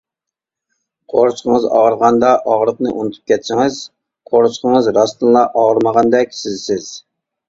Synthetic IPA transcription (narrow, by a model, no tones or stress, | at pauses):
qʰoɾt͡ʃqʰəŋəzɑ̰ʁəɾʁɑnd̪ɑʔɑʁɾəq̚nɨ̰ʔunɨt̪ʰu̥p̚kʲʰɛt̪sɪŋɨz | qʰoɾʃqʰəŋəzɾɑst̪ɨnlˠɑʔɑʁəɾməʁɑnd̪ɛkʲsɪzsɪz̥